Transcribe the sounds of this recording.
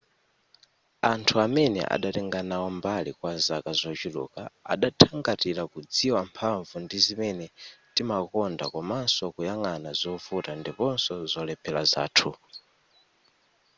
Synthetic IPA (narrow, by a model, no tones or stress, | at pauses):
antʰuamɛnɛ̰ʔa̰ɗatɛŋɡanawɔmbalikwazakazɔt͡ʃilṵkaa̰ɗatʰaŋɡatilakud͡ziwampʰaɱvundizimɛnɛtimakɔndakɔmansɔkujaŋanazɔfutandipɔnsɔzɔlɛpʰɛlaza̰ːtʰu